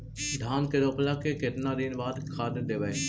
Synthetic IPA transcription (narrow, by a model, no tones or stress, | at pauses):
d̪ʱaːnkeɾoːplaːkeket̪naːɾiːnʋaːd̪kʰaːd̪d̪eːʋae